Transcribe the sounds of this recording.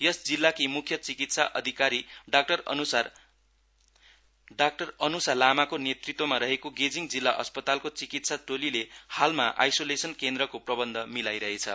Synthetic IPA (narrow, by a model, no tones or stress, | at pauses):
jʌsd͡zilːakimukʰjʌt͡sikit̪saʔʌd̪ʱikaɾiɖak̚ʈʌrnusar | ɖak̚ʈʌrʌnusalamakonjet̪rit̪wʌmaɾʌɦekoɡed͡ziŋɡd͡zilːaʔʌspʌt̪alkot͡sikit̪saʈolilehalmaʔa̰jsolesʌnkend̪rʌkoprʌbʌnd̪ʱʌmilajɾʌɦet͡sʰʌ̰